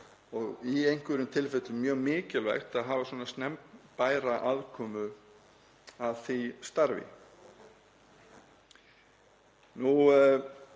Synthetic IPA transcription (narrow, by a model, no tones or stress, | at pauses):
ɔɣiejŋ̥kvɪɾʏmt̪ʰɪlfɪt̪ʏmmːjœːɣmɪːcɪlva̰jxt̪aðɦaːvaswɔːnast̪nɛmpnpaːjɾaʔaðkʰɔːmʏ | aðθijst̪aɾvɪ̰ | nu